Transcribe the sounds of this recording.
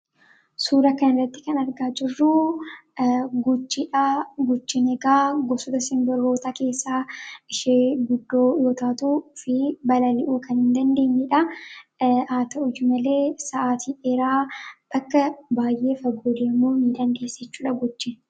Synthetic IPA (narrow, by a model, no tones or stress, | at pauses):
suːɾɐkɐnɪrːɐt̪ːɪ̥kɐnɐɾɡaːd͡ʒɪrːu | ɡʊt͡ʃːɪᶑaːɡʊt͡ʃːɪnɛɡaːɡɔsʊd̪ɐsɪnbɐɾho̞ːt̪aːke̞ːsːaːɪʃeːɡʊd̪ːo̞ːjoːt̪aːt̪uːfɪbɐlɐlɪʔuːkɐnhɪnd̪ɐnd̪e̞ːɲːɪᶑɐ | aːt̪ɐʔʊjʊmɐle̞ːsɐʔaːt̪ʰiːɛɾaːb̥ɐkːɐbaːjʔe̞ːfɐɡoːd̪eːmuːnɪd̪ɐnd̪e̞ːsːɛt͡ʃːuːᶑɐɡɔt͡ʃːɪn